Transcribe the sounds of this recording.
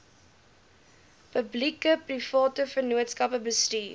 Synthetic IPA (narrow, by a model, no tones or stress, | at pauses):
pəblikəprifɑːtəfənuətskɐpəbəstiː